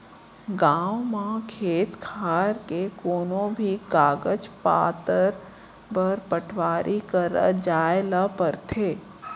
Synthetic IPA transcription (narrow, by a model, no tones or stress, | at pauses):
ɡaːʊmãkʰeːt̪kʰaːɾkekoːnõbʱikaːɡəd͡ʒpa̰ːt̪əɾ | bəɾpəʈʰʋaːɾʔikəɾd͡ʒaːelapəɾt̪ʰeː